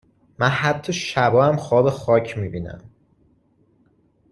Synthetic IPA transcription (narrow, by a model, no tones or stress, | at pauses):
mænhæt̪ʰːɒʃæbɒːæmxɒːbe̞xɒːcʰmiːbiːnæ̰m